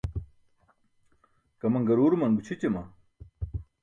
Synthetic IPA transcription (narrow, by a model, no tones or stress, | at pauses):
kɐmɐŋɡɐɾuːɾumɐnɡut͡ɕʰit͡ɕemɐ